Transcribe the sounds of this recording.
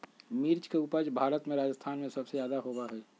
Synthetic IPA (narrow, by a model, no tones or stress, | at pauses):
miːɾt͡ʃkeupəd͡ʒbʱaːɾət̪mẽɾaːd͡ʒəst̪ʰaːnmẽsɐbsejaːd̪aɦoːbaɦɛː